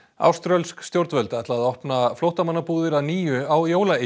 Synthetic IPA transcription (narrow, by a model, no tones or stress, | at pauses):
a̰wst̪ɾœlskst̪jowɾt̪nvɛlt̪aɛht̪laːðɔhpnaflowht̪amanːapuːðɪɾaðniːjʏawjoːwlae